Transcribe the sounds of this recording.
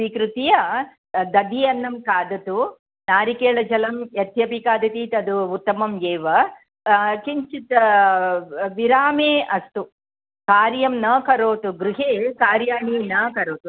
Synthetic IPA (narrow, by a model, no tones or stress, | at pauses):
iːkɾut̪ijɐ | d̪ɐd̪iɐnːɐmkaːd̪ɐt̪u | naːɾikeːɭɐd͡ʒɐlɐmjɐt̪ʰjɐpikaːd̪ɐt̪it̪ɐd̪uut̪ːɐmɐmjeːʋɐ | kiɲt͡ʃit̪ɐ | ʋiɾaːmeːʔɐst̪u | kaːɾjɐmnɐkɐɾoːt̪uɡɾuɦeːkaːɾjaːɳiːnɐkɐɾoːt̪u